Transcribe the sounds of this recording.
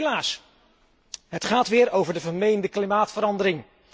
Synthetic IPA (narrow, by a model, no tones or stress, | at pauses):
laːs | ɦətχaːtʋɪːɹowvəɹdəvəɹmejndəklimaːtfəɾɑndəɾɪŋ